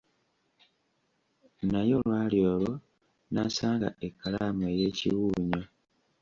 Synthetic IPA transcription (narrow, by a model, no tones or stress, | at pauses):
najo̞lwaːljoːlo | nasaːŋɡa̰ekːalaːmoeje̞ːcḭwuːɲo